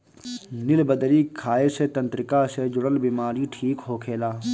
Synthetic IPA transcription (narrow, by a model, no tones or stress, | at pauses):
nɪlbəd̪ɾiːkʰːaːeːset̪ə̃nt̪ɾɪkaːsed͡ʒʊɽəlbiːmaːɾiːʈʰiːkɦoːkʰeːlaː